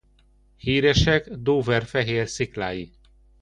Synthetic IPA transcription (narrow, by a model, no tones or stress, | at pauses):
hiːɾɛʃɛɡd̪oːvɛrfɛɦeːrsiklaːji